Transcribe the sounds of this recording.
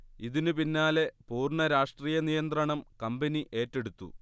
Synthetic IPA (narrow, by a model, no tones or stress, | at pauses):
iðinupinːaːle̞puːrɳɐɾaːʂʈriːjɐnijɐnt̪rɐɳɐmkɐmbɐniʔe̞ːtːeɽut̪ːṵ